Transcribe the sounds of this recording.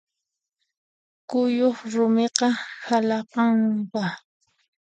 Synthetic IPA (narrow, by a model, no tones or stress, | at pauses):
kʊjoχɾʊmeqɑhalɑqɑmpa